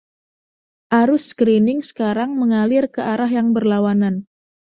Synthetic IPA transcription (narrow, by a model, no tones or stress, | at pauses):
ʔaɾʊskɾinɪŋsə̥kaɾaŋməŋalɪrkəʔaɾaɦjaŋbərlawanan